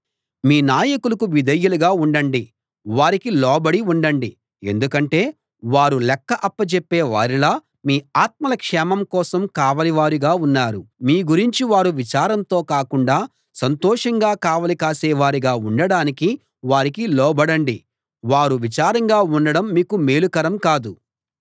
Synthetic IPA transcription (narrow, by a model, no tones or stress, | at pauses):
miːnaːjɐkulɐkuʋid̪ʱɐjːuluɡaːuɳɖɐɳɖi | ʋaːɾikilɔːbɐɽiuɳɖɐɳɖi | e̞̰nd̪ukɐɳʈe̞ː | ʋaːɾulɛkːɐʔɐpːɐt͡ʃepːeːʋaːɾilaː | miːaːt̪̚mɐlɐkʂɛːmɐmkɔːsɐmkaːʋɐliʋaːɾiɡaːunːaːɾumiːɡuɾiɲt͡ʃiʋaːɾuʋit͡ʃaːɾɐnt̪o̞ːkaːkuɳɖaː | sɐnt̪ɔːʂɐŋɡaːkaːʋɐlikaːsɛːʋaːɾiɡaːuɳɖɐɽaːniki | ʋaːɾikilɔːbɐɽɐɳɖi | ʋaːɾuʋit͡ʃaːɾɐŋɡaːuɳɖɐɽɐmːiːkumeːlukɐɾɐmkaːd̪u